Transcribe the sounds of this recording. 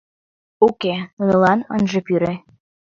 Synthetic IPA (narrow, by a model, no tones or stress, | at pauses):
ukeunɤ̆lɑnə̰nʒĕpyɾe